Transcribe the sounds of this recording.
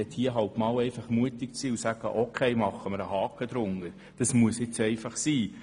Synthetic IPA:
ɛthiəɦɑʊpmɑːwɛɪfɑχmuətɪk̚t͡siːusæɡ̥ə̰ʔokʰeɪmɑχəməɾəhɑːkəd̪̥ɾʊŋːəɾ | d̥ɑsmuəsjɪt͡sɛɪfɑχsiː

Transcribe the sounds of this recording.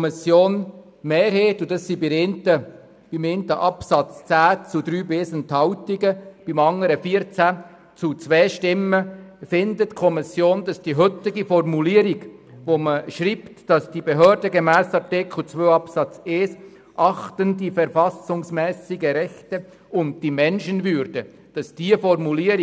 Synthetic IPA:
misjoːn | meːɾheːt̪ʊdɑssibɪɾentə | b̥ɪment̪əʔɑpsɑt͡st͡sæːt͡sud̥̪ɾyːbeːsənt̪hɑʊtiɡəb̥ɪmɑŋːəɾəfiəɾt͡sæ | t͡sut͡sʋɛːʃtɪmːəfɪndətkʰɔmisjoːnd̥ɑsd̥iɦɵt̪ɪɡifɔrmuliəɾiɡʋoməʃɾiːptd̥ɑsd̥ibeɦøːɾdəɡemɛːsɑrtɪkχl̩t͡sʋøːɑpsɑt͡seːs | ʔɑχtəndifɛɾfɑsʊŋsmɛːsɪɡəɾɛxtə | ʊnt̚d̥imɛnʃənvʏɾdə | d̥ɑsd̥iəfɔrmuliəɾ

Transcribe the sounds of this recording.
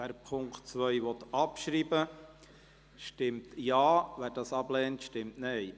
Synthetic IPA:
æːɾpʰʊŋktt͡sʋœjʋɔt̪ɑpʃɾiːbə | ʃtɪmtjɑːʋæːɾdɑsɑblɛːntʃtɪmtnɛj

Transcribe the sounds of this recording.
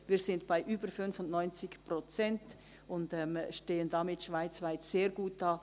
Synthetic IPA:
viːɾsɪndb̥aɪʔyːbəɾfʏnfʊndnɔʏnt͡sɪkprot͡sɛnt | ʊndɛmʃteːəndamɪtʃv̥aɪt͡svaɪtseːɾɡuːt̚d̥ɑː

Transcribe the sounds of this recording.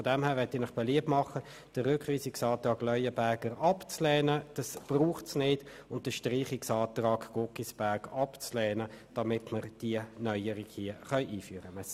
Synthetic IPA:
fɔdɛmhɛːʁvɛtinɪχb̥ɛliəp̚mɑχə | d̥əʁːʏkχʋiːsɪksɑːt̪ʁɑːɡlœʏəbæɐɡəʁɑpt͡slɛːnəd̥ɑsb̥ruːχtsnɪdʊnt̚d̥əʃtʁiːχɪksɑːt̪ʁɑːɡɡ̥okisb̥æɐɡɑpt͡slɛːnəd̥ɑmɪtməʁd̥iənœʏəɾɪɡhiəχœʏʔiːfyəɾəmɛ

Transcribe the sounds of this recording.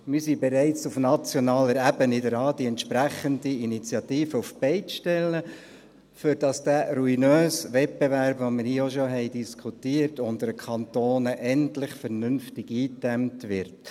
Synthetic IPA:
mɪsiːbɛɾæɪt͡sufnɑt͡sjonɑːləɾæbənidəɾɑːdiɛntʃpɾæχəndiinit͡sjɑtiːfəufbɛɪt͡sʃtɛlːə | fʏɾd̥ɑsd̥æːɾuinøːsʋɛt̚bevæɾpʋomɪɾiːoʃoɦɛɪdiskʰutiːəɾtʊndəɾəkʰɑntoːnəʔɛntlɪχfɛɾnʏnftɪɡiːtɛmtʋɪɾt

